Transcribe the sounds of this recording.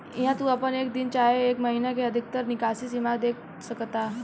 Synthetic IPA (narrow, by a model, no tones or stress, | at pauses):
iɦãt̪uəpəneːkd̪int͡ʃaɦeeːkməɦinakeəd̪ʱik̚t̪əɾnikasisimaɡd̪ek̚ʰ | səkt̪a